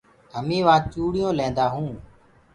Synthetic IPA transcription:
d̪ʱəmĩːʋãːt͡ʃuːɽɪjõːlẽːnd̪aːɦũː

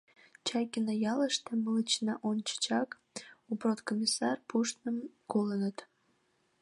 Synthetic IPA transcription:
t͡ɕɑjkinəjɑləʃt̪emələt͡ɕnɑʔont͡ɕə̥t͡ɕɑk | uprot̪komʲisɑrpuʃt̪nəmkolənət̪

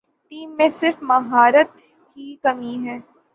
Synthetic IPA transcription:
ʈiːmːẽsɪɾfmɐɦaːɾət̪ | kikɐmiɦɛː

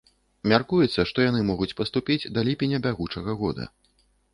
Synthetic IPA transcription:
mʲarkujɛt̪sːɐʂt̪ɔjanɨmɔɣut͡sʲpɐst̪upʲid͡zʲd̪ɐlʲipʲinʲːɐbʲaɣut͡ʂɐɣɐɣɔd̪ɐ̰

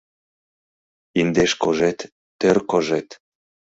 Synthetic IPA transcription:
ind̪eʃkoʒet̪ː | ørkoʒet̪

